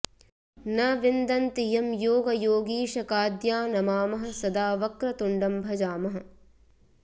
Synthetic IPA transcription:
nɐʋind̪ɐnt̪ijɐmjoːɡɐjoːɡiːʃɐkaːd̪jaːnɐmaːmɐɦɐ̆sɐd̪aːʋɐkɾɐt̪uɳɖɐmbʱɐd͡ʒaːmɐɦɐ̆

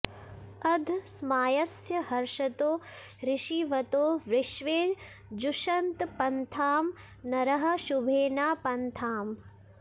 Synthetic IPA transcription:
ɐd̪ʱsmaːjɐsjɐhɐɾʃɐt̪oː | ɾɪʃiʋɐt̪oːʋɾɪʃʋeː | d͡ʒuʃɐnt̪pɐnt̪ʰaːm | nɐɾɐɦɐ̆ʃubʱeːnaːpɐnt̪ʰaːm

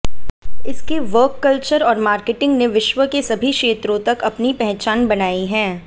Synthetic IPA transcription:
ɪskiʋəːkːɐlt͡ʃəɾɔːɾmaːɾkeʈɪ̃ŋɡneʋɪʃʋəkesɐbʱiʃeːt̪ɾõt̪ɐkɐpnipɛɦt͡ʃaːnbɐnaːiɦɛ̃ː

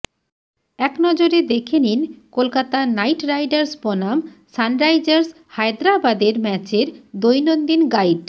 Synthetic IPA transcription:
ɛknɔd͡ʑoɾed̪ekʰeninkolkat̪anajʈɾajɖaɾsbɔnamsanɾajd͡ʑaɾs | hajd̪ɾabad̪eɾmɛt͡ɕeɾd̪ojnond̪inɡajɖ

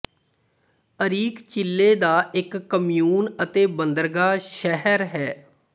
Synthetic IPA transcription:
əɾiːkt͡ʃɪlːeːd̪aːɪkːəmijuːnət̪eːbənd̪əɾɡaːʃɛɦəɾɦɛː

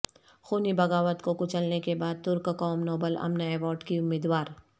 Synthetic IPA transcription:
xuːnibɐɡaːʋət̪kokʊt͡ʃəlnekebaːd̪̚t̪ʊɾkkɔːmnoːbəlɐ̰mnaɛːʋɔːɾɖkiʊmːiːd̪waːɾ

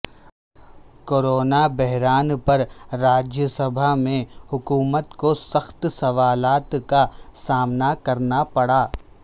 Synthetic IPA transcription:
koːɾoːnabɛɦɾaːnpɐɾɾaːd͡ʒjəsɐbʱamẽhʊkuːmət̪kosɐxt̪sɐʋaːlaːt̪kasaːmnakɐɾnapɐɽaː

